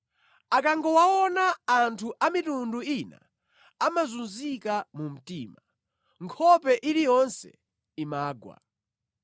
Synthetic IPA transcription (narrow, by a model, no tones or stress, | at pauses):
akaŋɡɔwaɔnaːntʰuʔamitunduina̰ | amazunzikamum̩tiːma | ŋkʰɔpɛʔilijɔnsɛ̰ | imaːɡwa̰